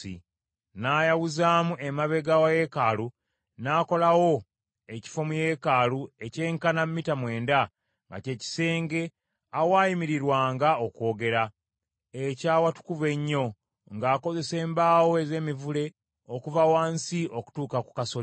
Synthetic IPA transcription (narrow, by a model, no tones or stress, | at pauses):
ḭ | naːjawuzaːmuʔemaβe̞ɡawaje̞kalu | naːko̞lawo̞ | e̞ci̥fo̞muje̞ːkaːlue̞ce̞ːŋkanammːitamwe̞ːnda | ŋɡa̰ce̞ːci̥se̞ːŋɡe̞ | awaːjimiɾiɾwaːŋɡao̞kwo̞ːɡe̞ɾa | ecaːwatu̥kuve̞ɲːo̞ | ŋɡaːko̞ze̞se̞ːmbaːwoe̞ze̞ːmivule̞ | okuvawaːnsiʔo̞ku̥tuːkaku̥kaso